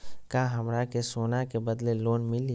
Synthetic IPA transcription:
kaɦɐmɾakesoːnakebɐd̪leloːnmɪli

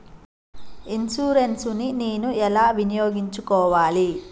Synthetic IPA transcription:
insuːɾensunineːnuɛlaːʋinijoːɡiɲt͡ʃukɔːʋaːli

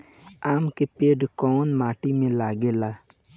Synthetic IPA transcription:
aːmkepeːɖkɔːnmaːʈimẽlaːɡelaː

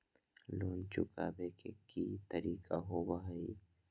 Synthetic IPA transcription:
loːnt͡ʃʊka̰bekʰekit̪ɐɾiːkʼaɦobaɦaji

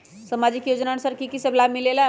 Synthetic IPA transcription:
səmad͡ʒikjod͡ʒnañsəɾkikisəblabmilela

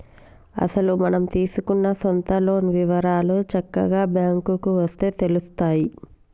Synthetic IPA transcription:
ɐ̰sɐlumɐnɐmt̪iːsukunːɐsont̪ɐlo̞ːnʋiʋɐɾaːloːt͡ʃɐkːɐɡaːbjaːŋkukuʋɐst̪e̞ːt̪e̞lust̪aːji

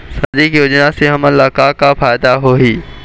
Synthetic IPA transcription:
sɐ̃d͡ʒikjoːd͡ʒnaseɦɐmə̃laːkakafaːɪd̪aɦoːɦiː

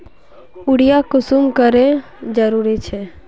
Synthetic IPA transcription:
ʊɽijakʊsumkəɾe | d͡ʒəɾuɾit͡ʃʰe

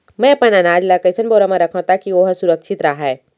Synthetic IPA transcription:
mɛ̃pɐnanaːd͡ʒlakəsənboːɾamɐ̃ɾɐkʰõt̪akioːɦsʊɾəkʃɪt̪ɾaɦaɛ

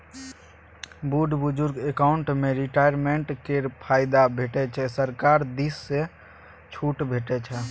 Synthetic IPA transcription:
buɖʱbʊd͡ʒʊɾɡekaʊɳʈmeɾiʈajəɾmeɳʈkeɾpʰaɪd̪abʱeʈɛt͡ʃʰɛsəɾkaɾd̪isːe | t͡ʃʰuʈbʱeʈɛt͡ʃʰɛ

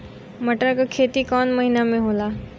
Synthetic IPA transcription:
məʈakakʰeːt̪ikɔːnməɦinamẽɦoːlaː

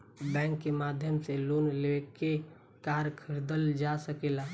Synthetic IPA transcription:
bɛ̃ːŋkːemad̪ʱjəmselonleke | kaɾkʰɪɾd̪əld͡ʒasəkela

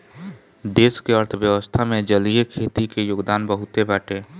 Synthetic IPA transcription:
d̪eːskeəɾt̪ʰəʋjəʋəst̪ʰamẽd͡ʒəliekʰeːt̪ikejoːɡd̪aːnbəɦʊt̪ebɛːʈeː

